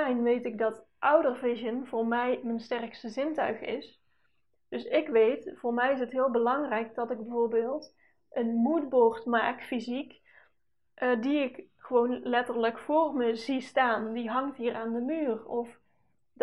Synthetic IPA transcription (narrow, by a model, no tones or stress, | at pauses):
ɛjnʋejtɪk̚dɑt | ʔʌwdərvɪʒənv̥ʊːɹmɛjmənstɛrkstəzɪntœ̰ɥχɪ̰s | d̥ɵsɪkʋejtfʊːɹmɛjɪs̬ətɦɪːlˠbəlɑŋrɛjk̚dɑtɪɡ̚bəvoːɹbɪːlˠt | ʔənmudboːɹtmaːkfizik | ʔdiɪkχəʋownlɛtərləkfʊːrməzistaːndiɦɑŋtɦiːrʔaːndəmyːrɔf